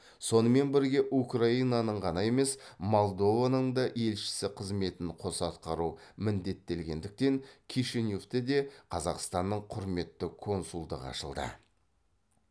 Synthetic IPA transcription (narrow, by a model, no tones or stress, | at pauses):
so̞nəme̞nbɪɾɡʲe̞ʔukraijnɑnəɴʁɑnɑje̞me̞smo̞lˠd̪o̞vanəɴd̪ɑʔe̞lʃɪ̥sɪqʰəzme̞t̪ɪɴqʰo̞sɑt̪qɑɾumɪnd̪e̞t̪ːe̞lɡʲe̞nd̪ɪk̚t̪e̞ŋkʲʰiʃenjoft̪ed̪e̞qʰɑzɑqst̪ɑnːəɴqʰʊɾme̞t̪ːɪkʰo̞nsulˠd̪ə̰qɑ̰ʃə̰lˠd̪ə̰